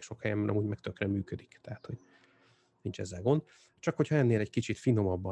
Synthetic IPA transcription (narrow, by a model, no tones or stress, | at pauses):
kʃo̞khɛjɛmɛɾɒ̰muːɟmɛk̚t̪økrɛmːyːkød̪ikt̪ɛɦat̪ho̞ɟ | nint͡ʃɛ̰zːɛlɡo̞nd̪ | t͡ʃɒkho̞chɒɛnːeːlɛɟkit͡ʃit̪fino̞mɒbːɒ